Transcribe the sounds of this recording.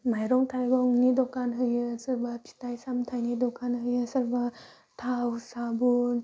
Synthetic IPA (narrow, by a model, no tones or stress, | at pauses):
majɾɔŋtʰajɡɔŋnidɔkanɦɯjɯsaɾbatʰi̥tajsamtʰajnidɔkanɦɯjɯsaɾba | tʰawsabu